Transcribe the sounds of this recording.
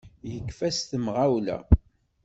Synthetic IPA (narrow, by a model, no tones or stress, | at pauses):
jəkːfæst̪əmʁawlæ̰